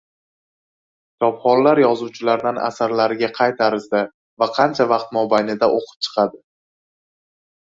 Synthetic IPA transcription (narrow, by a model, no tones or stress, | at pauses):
t͡ʃʰɒpχɒllaɾjɒzuwt͡ʃʰɪlaɾd̪ana̰saɾlaɾɪɡʲaqʰɑjt̪ʰaɾɪzd̪ɪ | vaqʰɑnt͡ʃʰavɑqt̪mɒbajnɪd̪aʔoqʰɨ̥p̚t͡ʃʰɨ̥qʰɑd̪ɪ